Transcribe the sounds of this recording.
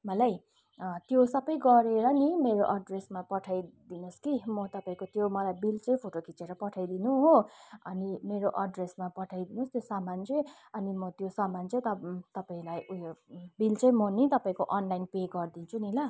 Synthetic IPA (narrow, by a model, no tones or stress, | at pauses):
mʌlaj | t̪josʌbʌjɡʌɾeɾʌnimeɾoʔʌɖresmapʌʈʰajd̪inoskimʌt̪ʌpaĩkot̪jomʌlajbilt͡sʌ̃j̃pʰoʈokit͡seɾʌpʌʈʰajd̪inuɦoʌnimeɾoʔʌɖresmapʌʈʰajd̪inost̪josamant͡sʌ | ʌnimʌt̪josamant͡sʌj̃t̪ʌt̪ʌpaĩlajujbilt͡sʌj̃mʌnit̪ʌpãĩkoʔʌnlajnpeɡʌrd̪int͡sʰunila